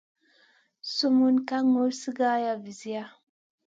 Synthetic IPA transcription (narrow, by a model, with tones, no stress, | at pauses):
su˦mu˦nka˦ŋo˦si˦ɡa˦ja˨vi˨zi˦ja˦